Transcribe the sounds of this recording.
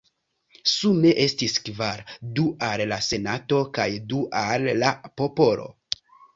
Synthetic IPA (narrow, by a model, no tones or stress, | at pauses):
sume̞ʔe̞stiskvaɾduallase̞nato̞kajduʔalːapo̞po̞lo̞̰